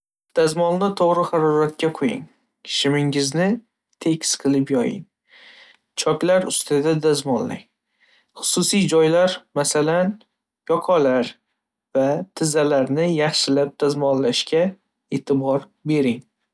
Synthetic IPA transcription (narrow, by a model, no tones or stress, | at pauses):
d̪̥azmɒnnɪt̪ʰoʁɾɪχɑɾɒɾat̪̚kʲaqʰojɪ̰ŋ | ʃɪmɪŋɪznɪ | t̪ʰe̞kʲɪsqʰɨlɪpjɒjɪ̰ŋ | t͡ʃʰɒkʲlaɾʊst̪ʰad̪ad̪azmɒnlɪ̰ŋ | χʊ̥susijd͡ʒɒjlaɾmasalan | jɒqʰɒlaɾ | vat̪ʰɪzalaɾnɪjɑχʃɪlap̚d̪̥azmɒnlaʃkʲa | e̞t̪ʰɪbɒɾ | be̞ɾɪŋ